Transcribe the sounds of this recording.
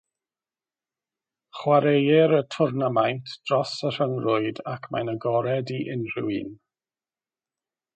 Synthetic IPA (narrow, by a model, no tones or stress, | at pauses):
χwaɾejɪɾətʰʊrnamajntʰd̥rɔsər̥əŋrʊɨdakʰma̰jnəɡɔɾɛdiʔɪnrɪwḭːn